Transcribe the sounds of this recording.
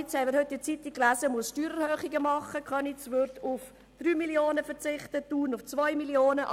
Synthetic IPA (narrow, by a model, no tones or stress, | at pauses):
t͡shɛməɾhʏt̚diːt͡sit̪ɪkːlæːsəmʊsʃtyːɾəɾhøːχiɡəmɑχːəkʰχœnɪt͡sʋøɾtʰʊf | d̥ryːmiljoːnəfət͡sɪχt̪ətuːnʊft͡svɔʏmiljoːnəʔ